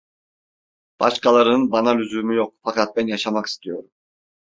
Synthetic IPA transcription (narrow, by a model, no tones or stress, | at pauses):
b̥ɑ̰ʃkɑlˠaɾɯnbɑnalʲyzyːmyjo̞q̚fɑkɑt̪̚bɛnjɑʃɑmaki̥st̪ʰijo̞ɾum